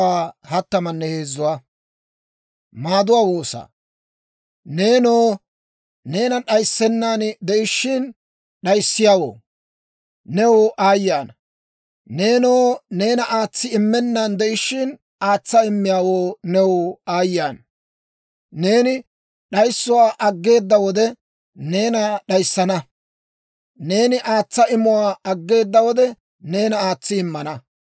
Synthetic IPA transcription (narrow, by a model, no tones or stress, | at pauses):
aːhɐt̪ːɐmɐnːɛhe̞ːzːʊwaː | maːd̪ʊwaːwo̞ːsa̰ː | ne̞ːnoː | ne̞ːnɐɗɐjsːɛnːaːnd̪ɛʔɪʃːɪn | ɗɐjsːɪjaːwo̰ː | nɛwʔaːjːaːnɐ | ne̞ːnoːne̞ːnɐʔaːt͡sːɪɪmːɛnːɐnd̪ɛʔɪʃɪn | aːt͡sːɐɪmːɪjaːwoːnɛwʊaːjːaːn | ne̞ːnɪ | ɗɐjsːʊwaːʔɐɡːe̞ːd̪ːɐwɔd̪ɛ | ne̞ːnɐɗɐjsːɐnɐ | ne̞ːnɪʔaːt͡sːɐɪmʊwaːɐɡːe̞ːd̪ːɐwɔd̪ɛ | ne̞ːnɐaːt͡sːɪɪmːɐnɐ